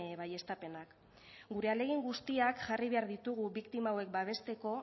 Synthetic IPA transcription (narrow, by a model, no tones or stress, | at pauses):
βaje̞st̪ape̞nak | ɡuɾe̞ale̞ɣ̞iŋɡust̪iakʝariβ̞e̞aɾðit̪uɣuβikt̪imaːwe̞k̚baβ̞e̞st̪e̞ko̞